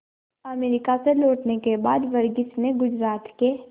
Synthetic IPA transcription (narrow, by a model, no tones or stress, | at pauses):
ɐmeːɾɪkaseloːʈnekebaːd̪ʋɐɾɡɪsneɡʊd͡ʒɾaːt̪ke